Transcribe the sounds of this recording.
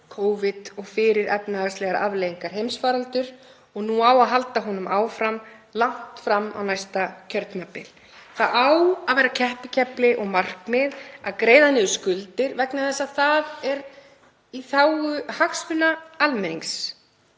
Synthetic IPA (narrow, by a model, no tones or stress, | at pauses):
kʰoːwvɪt̪ɔɣfɪɾɪɾɛ̰pnaːɣst̪lɛɣaɾa̰vlejiŋkaɾ̥ɦejmsfaːɾalt̪ʏɾ | ɔɣnuawaðɦalt̪aɦɔnʏmaːwfɾam | laŋ̥t̪fɾamːa̰wnajst̪acʰœɾt̪mapːɪl | θaðawaðvejɾacʰɛhpɪcʰɛplɪʔɔɣmar̥kmɪðaðkɾeːjðanɪʏskʏlt̪ɪɾvɛknaθɛsːaðθaðɛɾ | iθawʏhaxsvʏnaalmɛniŋks